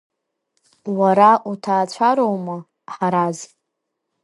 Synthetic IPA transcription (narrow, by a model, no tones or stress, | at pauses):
waɾaʔutʰaːt͡ɕʷʰaɾowma | ħaɾaz